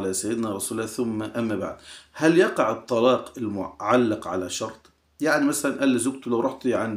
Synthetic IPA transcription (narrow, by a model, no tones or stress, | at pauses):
lasajːɪd̪næɾˤɑsuːlːæːθʊmːaʔamːaba̰ʕd̪hæljɑqɑʕɨt̪ˤːɑlɑːqɪlmʊ̰ʕalːɪqʕa̰laʃɑɾˤt̪ˤ | jaʕnimasalanʔælːɪzʊɡ̚t̪lawɾˤɑħt̪ˤiʕan